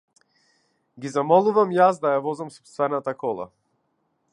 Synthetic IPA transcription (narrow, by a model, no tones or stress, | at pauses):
ɡizamɔlˠuvamjasd̪ajavɔzamsɔ̥pst̪vɛnat̪akɔlˠa̰